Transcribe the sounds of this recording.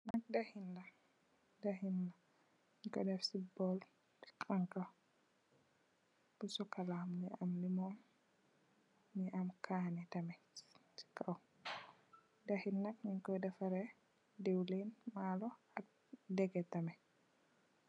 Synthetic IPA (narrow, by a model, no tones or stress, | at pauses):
nak̚dahinda | dahinːa | iŋkɔ̰dɛfsibɔl | i̥kʰʼaŋka | b̥usɔkalamniamlimɔm | niamkʰaːnɛtamɛ | t͡ʃi̥kːaw | dahinːak̚niŋkɔjdɛfaɾɛ | dewlinmalɔ | a | dɛɡɛtamɛ